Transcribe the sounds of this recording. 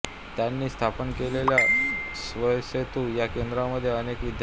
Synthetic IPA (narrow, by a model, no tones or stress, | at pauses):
t̪janːiːst̪ʰapənkeleljasʋəjset̪ujakend̪ɾaməd̪ʱːjeənekʋid̪ʱj